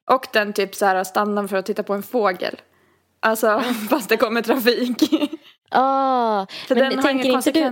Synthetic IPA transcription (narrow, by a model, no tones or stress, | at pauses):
ʔɔkd̪ɛnt̪ʰyːpsæːɾast̪anːɔnfœɾɔt̪ʰːɪt̪ːapʰɔɛnfoːɡə̰l | ʔalsɔfast̪d̪ɛkɔmːəʈʰɾafiːk | fœɖɛnhaɾɪŋːəkɔnsɛkvɛ